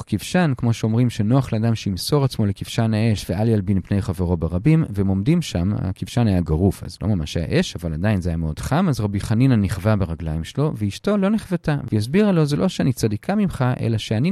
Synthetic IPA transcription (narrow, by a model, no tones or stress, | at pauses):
kivʃankmo̞ʃeo̞mʁimʃenoaχleadamʃeimso̞ʁat͡smo̞lekiv̥ʃanae̞ʃveʔaljalbinpne̞jχaveʁo̞beʁabimvemo̞mdimʃama̰kivʃanajaɡaʁufa̰zlo̞̰mama̰ʃaja̰ʔe̞ʃavaladajinzajameo̞d̥χamazʁabiχaninaniχvabeʁaɡlaimʃelo̞veiʃto̞lo̞neχvatavejas̬biʁalozelʔo̞ʃeanit͡sadikʰamimχaʔḛlaʃeani